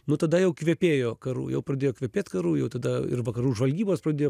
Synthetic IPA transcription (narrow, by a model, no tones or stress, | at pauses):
nʊt̪ɐd̪ɐjɛʊkʋʲɛpʲeːjoːkɐɾṵːjɛ̰ʊpɾɐd̪ʲeːjoːkʋʲɛpʲeːt̪kɐɾuːjɛʊt̪ɐd̪ɐɪ̰rʋɐkɐɾuːʒʋɐlʲɡʲiːboːspɾɐd̪ʲeːjoː